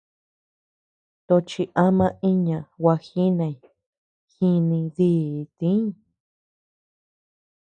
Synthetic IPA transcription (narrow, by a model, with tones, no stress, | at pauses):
t̪o˧t͡ʃi˧ʔa˦mã˦i˦ɲã˨wa˧xi˦nã˧i˨ | xi˧nĩ˧ði˦˨t̪ĩ˦˨